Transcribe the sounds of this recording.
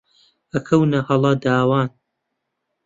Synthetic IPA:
ɐkʰɐwnɐhɐlˠɑd̪aːwaːn

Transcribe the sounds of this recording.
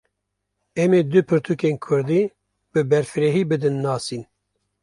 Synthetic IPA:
ɛmeːd̪ɨpʰɨɾt̪ʰukeːnkʰʊɾd̪iː | bɨbɛɾfɨɾeɦiːbɨd̪ɨnːɑːsiːn

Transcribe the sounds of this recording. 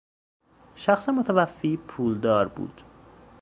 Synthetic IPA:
ʃæxsemot̪ʰævæfːipʰuːld̪ɒːɾbṵːd̪̥

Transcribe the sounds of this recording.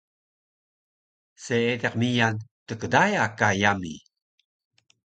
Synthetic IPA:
seedeqmijantəkədajakajamḭ

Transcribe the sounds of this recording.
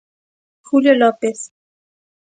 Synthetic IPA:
xuljolopeθ

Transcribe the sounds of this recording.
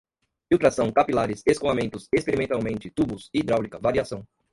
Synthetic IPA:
iwˠt̪ɾasɐ̃w̃kapilaɾɪseskõamẽnt̪ʊsespeɾimẽnt̪awmẽnt͡ʃɪt̪ubʊsid̪ɾawlikɐvaɾiasɐ̃w̃

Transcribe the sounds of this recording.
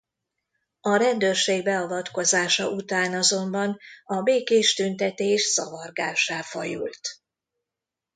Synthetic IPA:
ɒɾɛnd̪øːrʃeːɡbɛɒvɒt̪ko̞zaːʃɒʔut̪aːnɒzo̞mbɒnɒbeːkeːʃt̪ynt̪ɛt̪eːʃsɒvɒrɡaːʃaːfɒ̰jṵlt̪

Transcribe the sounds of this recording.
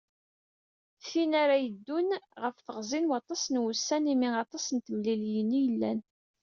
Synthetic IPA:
θinaɾajəd̪ːʊnʁəfθəʁzˤinwɑt̪ˤɑsnwʊsːænimiɑt̪ˤɑsənt̪əmliljənːijəlːæn

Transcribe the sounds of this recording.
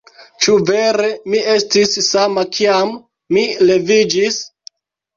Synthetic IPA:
t͡ʃuve̞ɾe̞mie̞stisːamakʰiamː | ile̞vid͡ʒis

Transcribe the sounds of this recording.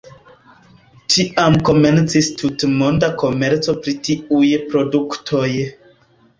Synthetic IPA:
tiʔamko̞me̞nt͡sistʰutmo̞ndako̞me̞ɾt͡so̞pɾitiujpɾo̞duktʰo̞j

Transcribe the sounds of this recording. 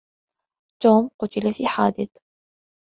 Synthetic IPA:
t̪oːmqʊt̪ɪlafiːħaːd̪ɪθ

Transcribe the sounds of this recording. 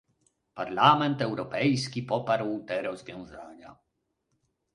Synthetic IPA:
paɾlamɛnt̪ɛwɾɔpɛjskʲipɔpaɾwt̪ɛɾɔzvʲjɔ̃w̃zaɲa

